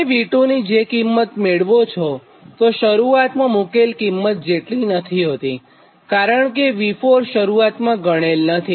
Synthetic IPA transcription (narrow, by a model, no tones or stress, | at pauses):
eʋiʈonid͡ʒekimːət̪meɭʋot͡ʃʰo | t̪oʃəɾuat̪mãmukelkimːət̪̚d͡ʒeʈlĩnət̪ʰiɦot̪i | kaɾəɳk̬eʋifoɾʃəɾuat̪mãɡəɽ̃elnət̪ʰi